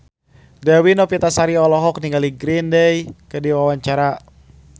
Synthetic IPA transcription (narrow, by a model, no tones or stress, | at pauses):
dɛwinɔpit̪asaɾiɔlɔɦɔk̚niŋɡaliɡɾindəjkədiwawaɲt͡ʃaɾa